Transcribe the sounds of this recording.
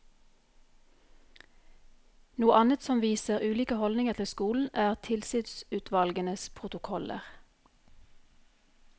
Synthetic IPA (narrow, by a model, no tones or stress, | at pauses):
nuːəʔɑnət̪sɔmʋiːsəʁʉːliːkəhɔld̪nɪŋəʁt̪ʰɪlskuːln̩æːʁt̪ʰɪlsɪd̪sʉːt̪ʰʋɑlɡənəspʰʁʊt̪ʊkʰɔlə̰ʁ